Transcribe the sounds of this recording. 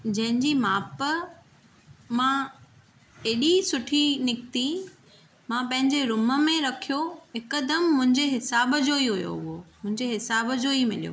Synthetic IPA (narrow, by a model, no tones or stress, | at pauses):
d͡ʑɐ̃ɦɪ̃ɲd͡ʑiːmaːp | mã | eːɗisʊʈʰinɪk̚t̪i | mãpɐ̃ɦɪ̃ɲd͡ʑeɾʊmə̆mẽɾɐkʰijoɦɪkəd̪əmːʊ̃ɦɪ̃ɲd͡ʑeɦɪsaːbəd͡ʑoiɦʊjo̰ɦʊɦomʊ̃ɦɪ̃ɲd͡ʑeɦɪsaːbəd͡ʑoimɪ̰lijo̰